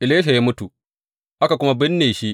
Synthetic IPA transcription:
ʔɪ˨leː˦ʃ̬a˨ja˦mʊ˦tu˨ | ʔa˦ka˨kʷʊ˦ma˦bɪ˦nːeː˨ʃi˦ʔ

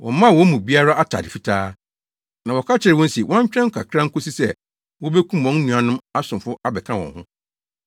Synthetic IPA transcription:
wʔɔ̰̃˨m˦mã˦˨wɔ̃˨˦mũ˨bi˦a˦ɾa˦ʔa˦tʰa̰˨dɪ˨fi˦tʰaː˦ | nã˨wɔ˨kʰa˦t͡ɕʰɪ˨ɾɪ˨wɔ̃˦n̩˦si˨wʔɔ̃˦ɲ˦t͡ɕᶣɾɛ̃˦ŋ̩˦kʰa˨kʰɾã˦ŋ̩˦kʊ˦si˦sɛ˦ | wɔ˦bɛ˦kʰũ˦m˨wɔ̃˨˦n˦nũ˨a˨nʊ̃˦ma˦sʊ̃˨mfʊ˦a˦bɛ˨kʰã˦wɔ̰̃˨nhʊ̃˦

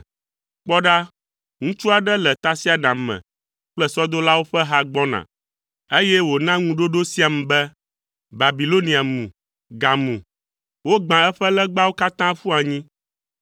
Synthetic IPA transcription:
k͡pɔ˦ɖa˦ | ŋũ˦t͡ʃu˦a˨ɖɛ˦lɛ˨t̪a˦si˦a˨nã˨mɛ̰̃˨ | k͡plɛ˦sɔ˦d̪o˦la˦wo˦ɸɛ˦ɦa˦ɡ͡bɔ˦nã̰˨ | e˦jɛ˦wo˨nã˦ŋũ˦ɖo˦ɖo˦si˦a˨mɛ̃˨bɛ˦ | ba˨bi˨lo˦nĩ˨a˨mṵ̃˨ | ɡa˨mũ˨ | wo˦ɡ͡bã˨ɛ˦ɸɛ˦lɛ˦ɡ͡ba˦wo˦ka˦t̪ã˦ɸu˦a˨ɲĩ˦

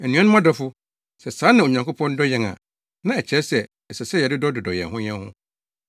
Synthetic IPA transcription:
ɛ˨nũ˦ã˦nʊ̃˦m˦ã˦dɔ˦fʊ˦ | sɛ˨sãː˨˦nã˨o˨ɲã˨ŋkʰʊ˦pʰɔ̃˦n˦dɔ˦jɛ̃˨ŋã̰˨ | nã˨ɛ˨t͡ɕʰɛ˨˦sɛ˨ | ɛ˨sɛ˨sɛ˦jɛ˨dɪ˦dɔ˦dʊ˨dɔ˨jɛ̰̃˨nɦʊ̃˦ɲɛ̃˦nhʊ̰̃˦

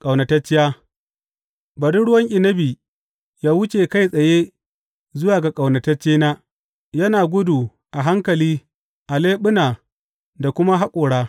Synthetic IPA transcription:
kʼa˨wnɐ˨tɐ˦t͡ʃːɪ˦jaː˦ | bɐ˨dʊ˦nɽʊ˦wɐ˦ŋʔʲʼɪ˨nɐ˦biː˨ | jaː˦wʊ˦t͡ʃe˨ka˦jsʼɐ˨je˦ | zʊ˦waː˨ɡa˨kʼa˨wnɐ˨tɐ˦t͡ʃːeː˦naː˦ | jɐ˦naː˨ɡʷʊ˦du˨ | ʔa˨ɦa˦ŋkɐ˨liː˦ | ʔa˨leː˦ɓʊ˦naː˨ | da˨kʷʊ˦ma˦ɦa˦kʷʼoː˨ɽaː˦

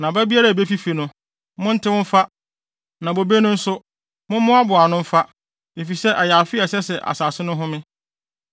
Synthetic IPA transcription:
nã˨bæ˦bi˦a˦ɾa˨be˦fi˦fi˨nʊ̃˦ | mʊ̃˦n̩˦tʰɪ˦wʊ̃˦m̩˦fa˦ | nã˨bo˨be˦nʊ̃˦n̩˦sʊ˦ | mʊ̃˦mʊ̃˦a˦bʊ˨a˨nʊ̃˦m̩˦fa˦ | e˨fi˨sɛ˦ʔɛ˨ja˨fɪ˦ɛ˨sɛ˦sɛ˨ʔa̰˨saː˨sɪ˦nʊ̃˦ɦʊ̃˦mɪ̃˦

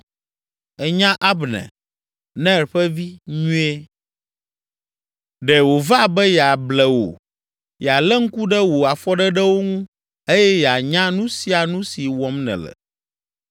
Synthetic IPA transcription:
ɛ˨ɲã˦ʔa˦bnɛ̰̃˨ | nɛ̃˦˨ɾɸɛ˦vi˦ɲũ˦e˦ | ɖɛ˨wo˨va˦bɛ˦jɛ˨a˨blɛ˨wo̰˨ | jɛ˨a˨lɛ˦ŋ̩˦ku˦ɖɛ˦wo˨a˨fɔ˦ɖɛ˦ɖɛ˦wo˦ŋũ˦ | e˦jɛ˦jɛ˨a˨ɲã˦nũ˦si˦a˨nũ˦si˨wɔ˦mnɛ̰̃˨lɛ̰˨

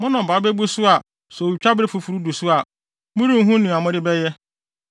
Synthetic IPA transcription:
mʊ̃˦nã˨baː˨˦be˦bu˦su˦a˨ | sɔ˨u˨t͡ɕᶣa˦bɾe˦˨fu˨fu˨ɾu˦du˨su˦a˨ | mũ˦ɾĩ˦m̩˦ɦũ˦nĩ˨a˨mʊ̃˦dɪ˦bɛ˦jɛ˦

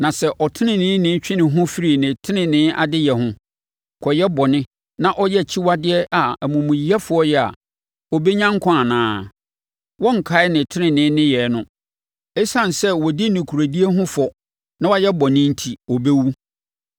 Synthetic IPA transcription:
nã˨sɛ˦ʔɔ˨tʰɪ˦nɪ̃˦˨nɪ̃ː˨˦nɪ̃˦t͡ɕᶣɪ̃˦nɪ̃˨ɦʊ̃˦fi˦ɾi˨nɪ̃˨tʰɪ˦nɪ̃˨nɪ̃˦ʔa̰˨dɪ˦jɛ˨hʊ̃˦ | kʰɔ˨jɛ˦bɔ˨nɪ̃˦ | nã˦ʔɔ˦jɛ˦˨t͡ɕʰi˦wa˦dɪ˦ɛ˦ʔa˨æ˨mũ˨mũ˨ji˨˦a˦fʊ˦ɔ˦jɛ˦a̰˨ | ɔ˨be˦ɲã˦ŋ˦kʰã˦a˨nãː˦ | wɔ̃˦ŋ̩˨kʰa˨˦ɪ˦nɪ̃˨tʰɪ˦nɪ̃˨nɪ̃˨˦nɪ̃˦jɛ˨˦nʊ̃˦ | ɛ˦sã˦n˨sɛ˦wɔ˨di˦nĩ˨kʰu˨ɾa˨di˦e˦ɦʊ̃˦fɔ˨ | nã˦wa˦jɛ˦bɔ˨nɪ̃˦n̩˦tʰi˨ɔ˨be˦wu˦

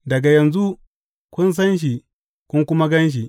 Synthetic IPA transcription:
dɐ˨ɡa˨jɐ˨nzu˦ | kʷʊ˦ns̬ɐ˦nʃ̬i˨ | kʷʊ˦ŋkʷʊ˦ma˦ɡɐ˦nʃ̬i˨

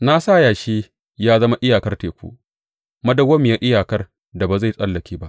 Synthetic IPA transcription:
na˦saː˦˨jaː˨ʃeː˦ | jaː˦zɐ˦ma˦ʔɪ˦jaː˨kɐ˦rteː˨kʷṵ˦ʔ | mɐ˦dɐ˨wɐ˦mːɪ˨ja˦ʔɪ˦jaː˨kɐ˦r | da˨ba˨za˦˨jsʼɐ˦lːɐ˨kʲiː˦ba˦ʔ

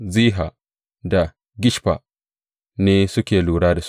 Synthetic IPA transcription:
ziː˦ɦa˨ | da˨ | ɡʲɪ˦ʃɸa̰˨ | neː˦sʊ˦kʲeː˨luː˨ɽaː˦da˨s

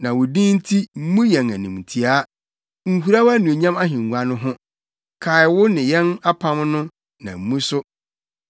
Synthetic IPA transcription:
nã˨wʊ˨dĩ˦n̩˦tʰi˦m̩˦mũ˦jɛ̃˨ŋæ˨nũ˨m˨tʰi˨a˦ | ŋ̩˨hu˨ɾa˦wa˦nũ˨e˨ɲã˦ma˦ɦĩ˨ŋ˨ɡʷa˨nʊ̃˦ɦʊ̃˦ | kʰa˨ɪ˨wʊ˦nɪ̃˨jɛ̃˦na˦pʰã˦mnʊ̃˦ | nã̰˨m̩˨˦mũ˦sʊ˦

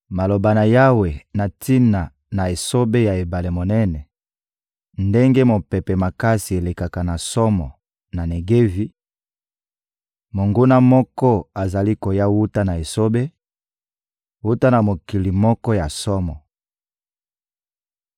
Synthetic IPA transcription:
ma˨lo˨ba˨na˨ja˦we˨na˨tʰi˦na˨ | na˨e˨so˦be˦ja˨e˨ba˨le˨mo˨nɛ˦nɛ˨ | nde˦ŋɡe˦mo˨pɛ˨pɛ˨ma˨ka˦si˨e˨le˨ka˨ka˨na˨sɔ˦mɔ̰˨ | na˨ne˨ɡe˦vi˦ | mo˨ŋɡo˦na˦mɔ˦kɔ˦a˨za˨li˦ko˨ja˦wu˦ta˦na˨e˨so˦be˦ | wu˦ta˦na˨mo˨ki˨li˨mɔ˦kɔ˦ja˨sɔ˦mɔ˨

